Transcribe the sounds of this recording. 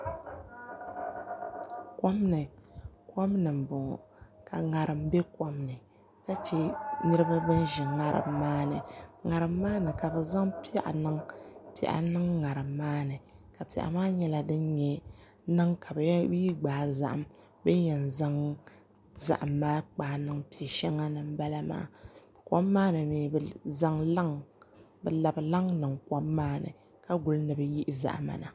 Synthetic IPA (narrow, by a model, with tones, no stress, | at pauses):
ko˦mnɨ˨ka˦mnɨ˨m̩˨bɔ˨ŋɔ̰˨ | ka˨ŋa˨ɾɨ˨mbɛ˦ko˦mnɨ˨ | ka˦t͡ʃɛ˦nɨ˦ɾɨ˦ba˦bɨ˦nʒɪ˨ŋa˦ɾɨ̰˨mːaː˦nɨ˨ŋa˨ɾɨ˨mːaː˦nɨ˨ka˨bɛ˨za˦ŋpi˦a˦ʔa̰˨nɨ˦ŋpi˨˦a̰˨ʔa̰˨nɨ˦ŋːa˨ɾɨ˨mːaː˦nɨ˨ka˨pi˨a̰˨ʔa̰˨maː˦ɲɛ˦la˦dɨ˦nɲɛ˦ | nɨ˦ŋka˨bbi˦ɡ͡baː˨za̰˨ʔa̰˨m | bɨ˦ɲɛ˨nza˦ŋ | za̰˦˨ʔmːaː˦k͡paː˨nɨ˦ŋpi˨ɛ˨ʃɛ˦ŋːa˦nɨ˨mba˦la˦ma̰ː˦˨ | kɔ˦mːaː˦nɨ˨meː˨za˦ŋa˦ŋbɨ˨la˨bɨ˨la˦ŋnɨ˨ŋkɔ˦mːaː˦nɨ̰˨ | ka˦ɡʊ˨lnɨ˨bɨ˦ji˦ʔza̰˨ʔma̰˨na̰˨